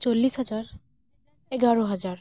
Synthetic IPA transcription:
solːisɦɔzaɹ | ɛɡaɹɔɦɔzaɹ

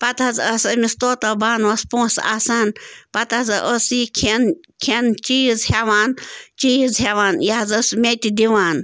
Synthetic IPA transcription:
pɐt̪ʰɐzəsɐmist̪oːt̪obaːnʋɐspõːsa̰ːsanpɐt̪ɐzɨʔəsiːkʰen | kʰent͡ʃijzhaʋaːnt͡ʃijzɦaʋaːnjazəsmʲet̪id̪iʋaːn

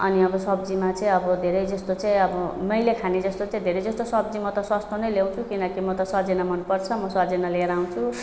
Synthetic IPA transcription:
ʌ̰niʌbʌsʌbd͡zimat͡saĩʌbʌd̪ʱeɾʌjd͡zʌst̪ot͡saĩʌbʌmʌjlekʰaned͡zʌst̪ot͡saĩd̪ʱeɾʌjd͡zʌst̪osʌbd͡zimʌt̪ʌswast̪ʰonʌjlew̃t͡sʰukinʌkimʌt̪ʌsʌd͡zenamʌnpʌrt͡sʰʌmʌsʌd͡zenaleɾaũt͡sʰu

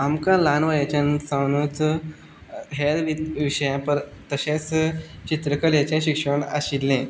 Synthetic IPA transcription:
amkãlanʋajat͡ɕansãwnut͡s | ɦeɾʋiʋiɕəjãpəɾt̪əɕẽt͡st͡ɕit̪ɾəkəlet͡ɕẽɕikʂəɳa̰ɕilːẽ

